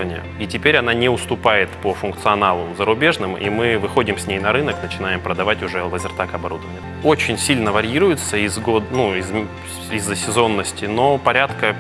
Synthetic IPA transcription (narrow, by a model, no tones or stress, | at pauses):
vənʲɪjə̰itʲɪpʲeɾʲɐnanʲɪʊst̪ʊpajɪt̪pəfʊnkt̪sɨɐnalˠʊzəɾʊbʲe̞ʐnɨmḭmɨvɨxo̞dʲɪmsʲnʲejnɐɾɨnəknət͡ɕɪn̪ajɪmpɾəd̪ɐvatʲʊʐɛvəzʲɪrt̪akɐbɐɾud̪əvənʲɪjə | o̞t͡ɕɪnʲsʲilʲnəvɐɾʲiɾʊjɪt̪səizɡod̪nuɪz | izːəsʲɪzo̞nːəsʲtʲɪno̞pɐɾʲat̪kə